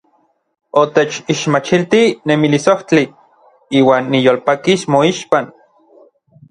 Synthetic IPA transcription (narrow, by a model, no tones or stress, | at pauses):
ot̪et͡ʃiʃmat͡ʃilt̪inemilisoht͡ɬi | iːwaːnːijoːlpakismoiʃpan